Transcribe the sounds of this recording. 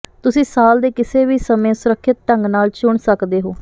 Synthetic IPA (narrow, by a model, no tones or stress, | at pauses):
t̪ʊsĩːsaːld̪eːkɪseːʋiːsəmẽːsʊɾəkʰːɪt̪̚ʈəŋɡnaːlt͡ʃʊɳsəkd̪eːɦoː